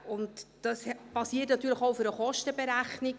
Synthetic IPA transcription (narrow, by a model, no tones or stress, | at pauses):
ʊntd̥ɑspɑsiətnɑt̪yːɾləχowfʏɾəχɔʃtəbɛɾæχnɪk